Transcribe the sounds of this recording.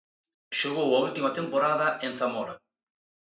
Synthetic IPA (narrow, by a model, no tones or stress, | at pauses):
ʃoɣowɐult̪imɐt̪empoɾaðɐʔen̟θamɔɾa